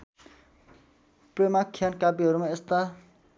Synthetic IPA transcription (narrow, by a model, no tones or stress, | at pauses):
premakʰːijankapiɦʌɾumaest̪a